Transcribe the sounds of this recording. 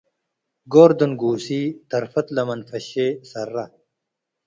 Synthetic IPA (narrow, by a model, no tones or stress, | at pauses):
ɡoːɾd̪onɡuːsiːt̪ɐɾfɐt̪lɐmɐnfɐɕeːsɐrːɐ